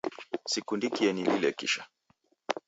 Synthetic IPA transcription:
sikundikiɛnililɛkḭʃa

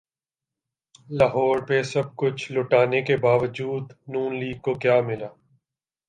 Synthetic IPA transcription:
laɦɔːɾpesɐb̚kʊt͡ʃʰlʊʈaːnekebaːʋəd͡ʒuːd̪nũːnliːɡ̚kokjaːmɪlaː

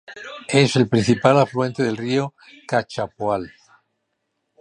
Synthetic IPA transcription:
e̞se̞lpɾin̟θipalaflue̞nt̪eð̞elrio | kat͡ʃapoal

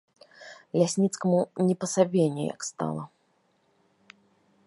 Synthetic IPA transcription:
lʲasʲnʲit̪skɐmunʲɛpɐsabʲenʲːṵja̰kst̪a̰lˠɐ

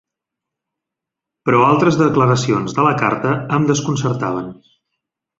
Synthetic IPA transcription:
pɾɔalˠt̪ɾəzðəkləɾəsionzðələka̰ɾt̪əəːmd̪əskunsəɾt̪aβ̞ən

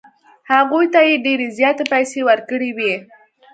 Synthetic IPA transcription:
haɣujt̪ajeɖeɾezjɑt̪epajsewəɾkəɽiwi

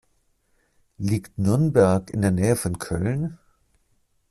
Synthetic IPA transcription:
liːktnʏɐnbɛɐkɪ̰ndeːɐnɛːəfɔnkʰœ̰ln

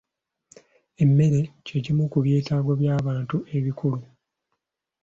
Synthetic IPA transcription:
e̞mːe̞ɾe̞cecimukuβje̞ːtaːɡoβjaːβaːntuʔe̞βikulu

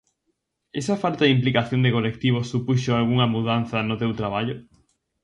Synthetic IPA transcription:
esɐfalt̪aðimplikaθjond̪ɪkolek̚t̪iβ̞osupuʃoalɣuŋɐmuðan̟θɐnʊt̪ewt̪ɾaβ̞aʎʊ

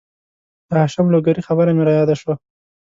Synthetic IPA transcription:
d̪̥əhaʃamloɡaɾixabəɾameɾajɑd̪aʃwa

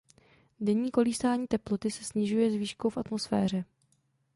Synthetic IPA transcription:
dɛɲiːko̞liːsaːɲiːt̪ɛplot̪ɪsɛ̥sɲɪʒujɛzviːʃkowfʔat̪mo̞sfɛ̰ːr̝ɛ

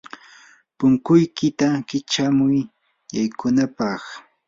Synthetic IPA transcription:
pʊŋkʊjkɪt̪akɪt͡ʃamʊj | jajkʊnapɑχ

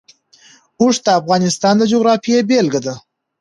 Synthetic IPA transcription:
ʊʂd̪əːfɣɑnɪst̪ɑnd̪əd͡ʒoɣɾɑfijebelɡad̪a

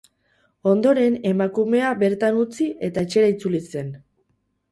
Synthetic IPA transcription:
o̞nd̪o̞ɾe̞ne̞makume̞abe̞ɾt̪anut͡siʔe̞t̪aet͡ʃe̞ɾait͡sulise̞n

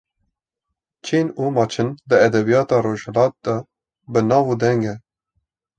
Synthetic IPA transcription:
t͡ʃʰiːnuːmɑːt͡ʃʰɨnd̪ɨɛd̪ɛbijɑːt̪ɑːɾoːʒhɛlɑːt̪̚d̪ɛ | bɨnɑːvuːd̪ɛŋɡɛ

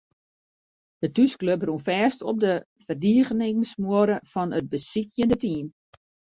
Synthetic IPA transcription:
d̥ətyskløprunfɛːstɔp̚də | fərdiəɣənɪŋsmuəɾəfɔnət̚bəsikjəndətiːm

